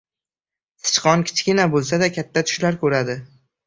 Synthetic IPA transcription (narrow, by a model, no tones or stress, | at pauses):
sɪ̥t͡ʃqɒnkʲʰɪ̥t͡ʃʰkʲɪnabolˠsad̪akʲʰat̪ʰːat̪ʰʊ̥ʃlaɾkʰɵɾad̪ɪ